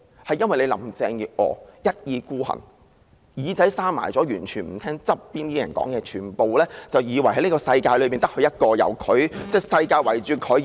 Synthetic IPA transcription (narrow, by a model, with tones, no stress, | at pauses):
hɐ˨jɐ˥nwɐ˨jle˨˧jlɐ̰˨˩mt͡sɛː˧ŋjiː˨p̚ʔɔ̰ː˨˧jɐ˥t̚jiː˨˧kuː˥hɐ̰˨˩n | jiː˨˧˥t͡sɐ˨˥jsaː˥ma̰ː˨˩jt͡sɔː˨˥jyː˨˩nt͡ʃʰyː˨˩nm̩˨˩t̪ʰɛː˥ŋt͡sɐ˥p̚ːiː˥nt̪iː˥jɐ˨˩nkɔ̰ː˨˥ŋjɛː˧t͡ʃʰyː˨˩npo˨wlɛː˥t͡sɐ˨wjiː˨˧wɐ˨˩jhɦɐ˦˥niː˥kɔː˧sɐ˧jkaː˧jlɵ˨˧pi˨nt̪ɐ˥hɵ˧jɐ˥t̚kɔː˧jɐ̰˨˩wkʰɵ˨˥ɥt͡sɛː˥˩sɐ˧jkaː˧jwɐ˨˩jt͡ʃyː˨kʰɵ˨˥ɥ